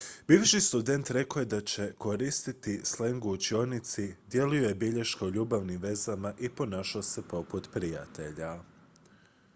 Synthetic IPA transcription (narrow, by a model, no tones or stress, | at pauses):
biːʋʃist̪ud̪e̞nt̪ɾe̞koje̞d̪at͡ɕe̞ko̞ɾist̪it̪isle̞ŋɡuut͡ɕio̞nit̪sid̪je̞lujo̞je̞biʎeʃkauʎuːbaʋnimʋe̞zamaʔipo̞naːʃaose̞po̞put̪pɾija̰t̪e̞ʎa